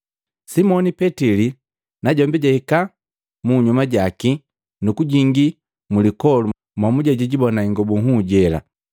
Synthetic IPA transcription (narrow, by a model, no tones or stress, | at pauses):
simɔnipɛtili | naɟɔmbɛɟaika | muɲumaɟaki | nukuɟiŋɡi | mulikɔlu | mwamuɟaɟiɟibɔnaiŋɡɔbuŋɦuɟɛla̰